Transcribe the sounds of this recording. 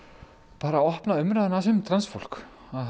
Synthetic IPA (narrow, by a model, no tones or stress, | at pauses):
paːɾaɔhpnaʏmɾaðnasʏmt̪ʰɾansfol̥k | að